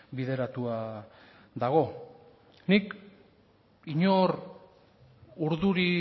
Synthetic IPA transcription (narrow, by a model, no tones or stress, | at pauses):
biðe̞ɾat̪ua | ðaɣ̞o̞ | nik | iɲo̞ɾ | uɾðuɾi